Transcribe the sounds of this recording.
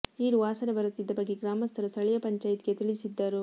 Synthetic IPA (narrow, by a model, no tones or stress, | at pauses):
iːɾuaːsɐnebɐɾut̪ːid̪ːɐbɐɡːeɡɾaːmɐst̪ʰɐɾɐst̪ʰɐɭɛjɐpɐɲt͡ʃaːjt̪iɡet̪iɭisid̪ːɐɾu